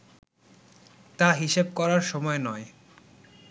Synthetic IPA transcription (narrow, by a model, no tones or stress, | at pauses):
t̪aɦiʃeb̚kɔɾaɾʃɔmɔenɔe